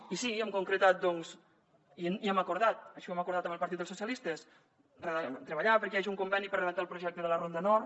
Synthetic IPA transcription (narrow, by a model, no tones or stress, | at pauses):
isiɛmkuŋkɾət̪at̪̚d̪ɔŋz | iniɛməkuɾð̞at̪̚əʃɔɛməkuɾðat̪əmbəlˠpəɾt̪it̪əlˠsusjəlist̪es | rət̪ɾəβəʎapəɾkɛaʒiuŋkumbɛnipəɾrəðət̪aəlˠpɾuʒɛk̚t̪əðələrond̪ənɔɾ